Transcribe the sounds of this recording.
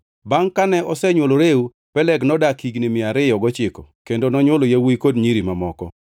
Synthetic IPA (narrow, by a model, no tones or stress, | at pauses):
baŋkanɛʔɔsɛɲwoloɾeu | pɛlɛɡnɔdakiɡnimɪaɾɪjɔɡɔt͡ʃɪkɔ̰kendonɔɲwolojawikodɲiɾimamɔkɔ̰